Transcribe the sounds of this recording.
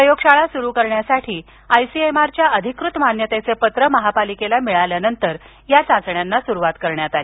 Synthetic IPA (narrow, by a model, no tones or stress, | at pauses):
əjoɡʂaɭasuɾuːkəɾɳjasaʈʰiː | ajsiemaɾt͡ɕjaʔəd̪ʱikɾut̪manjət̪et͡sepət̪ɾəməɦapalikelamiɭaljanənt̪əɾ | jat͡sãt͡sɳjanːasuɾuʋat̪kəɾɳjat̪ali